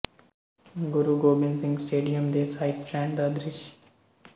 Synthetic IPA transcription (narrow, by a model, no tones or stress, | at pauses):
ɡʊɾuːɡoːbɪnzɪ̃ŋɡsʈeːɖijəmd̪eːsaːɪpt͡ʃɛ̃ːɳɖd̪ɐd̪ɾɪʃ